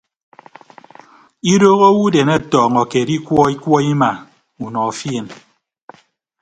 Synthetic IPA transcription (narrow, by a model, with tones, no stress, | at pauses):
i˦doː˦ɣo˦wu˦de˨ne˦˨tɔː˨ŋɔ˨ke˨di˦kwɔ˦i˦kwɔ˦i˦ma˨ | u˨nɔ˨fje˦˨n